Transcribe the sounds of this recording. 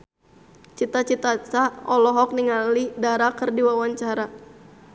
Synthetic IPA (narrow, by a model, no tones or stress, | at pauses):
t͡ʃit̪at͡ʃit̪at͡ʃaɔlɔɦɔk̚niŋalidaɾakərdiwawaɲt͡ʃaɾa